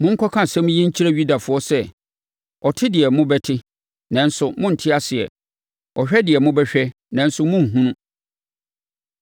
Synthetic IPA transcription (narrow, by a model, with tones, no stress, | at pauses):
mʊ̃˦ŋ̩˦kʰɔ˦kʰã˦˨sɛ̃˦m̃˦jĩ˦ɲ̩˦t͡ɕʰi˦ɾa˦ɥu˦da˨fʊ˨ɔ˦sɛ˦ | ɔ˨tʰɪ˦dɪ˨ɛ˨mʊ̃˦bɛ˦tʰɪ˦ | nã˨˦n̩˦sʊ˨mʊ̃˦n̩˨tʰɪ˦a˦sɪ˨ɛ̰˨ | ɔ˨ɕᶣɛ˦dɪ˨ɛ˨mʊ̃˦bɛ˦ɕᶣɛ˦ | nã˨n̩˦sʊ˦mʊ̃˦ŋ̩˨ɦũ˦nũ˦